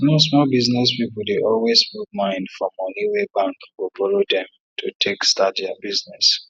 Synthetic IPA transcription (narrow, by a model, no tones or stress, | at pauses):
mosmɔlbiznɛspipɔldeʔɔlwesmuk̚mãɪ̃ndfɹɔ̃mɔniwebãŋkwifɔlodɛ̃m | tʰutʰekstatdabiznɛs